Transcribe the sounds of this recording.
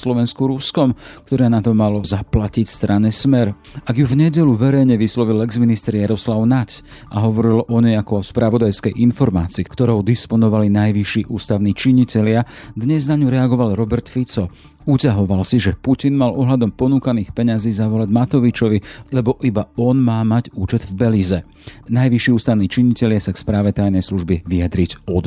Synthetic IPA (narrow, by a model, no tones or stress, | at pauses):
slɔʋɛnskuɾuskɔmkt̪ɔɾaːnat̪ɔmalɔzaplacicst̪ɾaɲɛsmɛɾ | aɡjuvɲɛɟɛʎuʋɛɾɛjɲɛʋislɔʋilɛɡzminist̪ɛɾjaɾɔslaʊnac | a̰ɦɔʋɔɾilʔɔɲɛjakɔɔspɾaʋɔd̪ajskɛjʔinfɔɾma̰ːt͡siːkt̪ɔɾɔʊd̪ispɔnɔʋalinajʋiʃiːʔuːst̪aʊniːt͡ʃiɲicɛlɪad̪ɲɛznaɲuɾɛaɡɔʋalɾɔbɛɾt̪fit͡sɔ | ucaɦɔʋalsiʒɛpucinmalɔɦlad̪ɔmpɔnuːkaniːxpɛɲaziːzaʋɔlaɟmat̪ɔʋit͡ʃɔʋilɛbɔʔibaɔnmaːmaɟuːt͡ʃɛd̪vbɛliːzɛ | najʋiʃiːuːst̪aʊniːt͡ʃiɲicɛʎɪasakspɾaːʋɛt̪ajnɛjsluʒbiʋiad̪ɾiɟɔd̪